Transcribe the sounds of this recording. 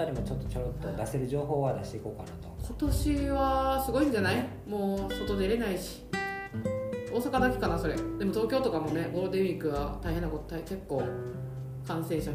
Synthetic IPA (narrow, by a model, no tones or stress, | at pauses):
aɾʲimo̞t͡ɕo̞t̪ːot͡ɕot̪ːod̪aseɾɯ̟ʑo̞ːɦo̞ːβad̪aɕi̥t̪e̞iko̞ːkanat̪o̥ko̞t̪o̞ɕiβasɨɡo̞ĩɲ̟d͡ʑanai | mo̞ːso̞t̪o̞d̪e̞ɾe̞naiɕi̥ | o̞ːsakad̪akʲe̥kanaso̞ɾe̞d̪e̞mo̞t̪oːkʲo̞ːt̪o̞kamo̞ne̞bo̞ɾod̪e̞mʲikːɯ̟βat̪aihɦe̞nːakot̪t̪aike̞kːo̞ː | kãsẽ̞ɰ̃ɕa